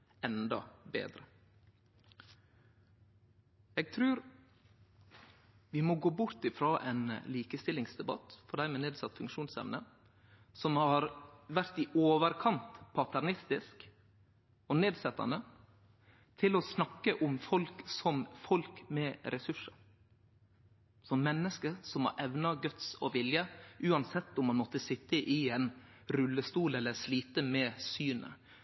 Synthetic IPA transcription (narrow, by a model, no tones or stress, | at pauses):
ɛnd̪ɑ̰bḛːd̪ɾə | ɛːɡ̚t̪ʰɾʉːɾ | ʋɪmɔɡoːbʊɾt̪ɪfɾɑːʔɛ̰nliːkəst̪ɪlɪŋsd̪ɛbɑ̰t̪fɔɖ̪æɪmɛneːd̪sɑt̪ːfʉŋkʃuːnsɛ̰ʋnə | sɔmhɑɾʋæɾt̪ɪʔoːʋəɾkʰɑnt̪pʰɑt̪ʰæɾnɪst̪ɪsk | ɔneːd̪sɛt̪ːɑ̰nd̪ə | t̪ʰɪlɔsnɑkːəʔʊmfɔlksɔmfɔlkmɛɾʔɛsʉʂə | sɔmːɛnːəskəsɔmhɑ̰ɾʔɛʋnɑɡœt̪sɔ̰ʋɪljəʔʉːɑnsɛt̪ːʊmːɑnmɔt̪ːəsɪt̪ːəʔɪɛn | ɾʉlːəst̪uːlɛlːəɾʂliːt̪əmɛsyːnə̰